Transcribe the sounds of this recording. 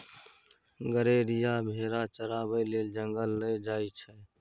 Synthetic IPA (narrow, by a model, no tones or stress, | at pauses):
ɡəɾeːɾijabʱeːɾat͡ʃəɾaːbəileːld͡ʒəŋɡəlːəd͡ʒaːit͡ʃʰɛ